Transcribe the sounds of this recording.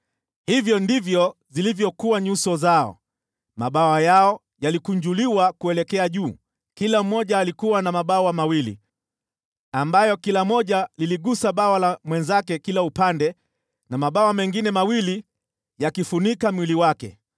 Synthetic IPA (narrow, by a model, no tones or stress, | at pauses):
hivjɔndivjɔzilivjɔkuwaɲusɔzaɔ̰ | maɓawajaɔ | jalikuɲd͡ʒuliwakuɛlɛkɛaʄuː | kilam̩mːɔʄaːlikuwanamaɓawamawilḭ | ambajɔkilamɔʄaliliɠusaɓawalamwɛnzakɛkilaupandɛ | namaɓawamɛŋɡinɛmawili | jakifunikamwiliwakɛ̰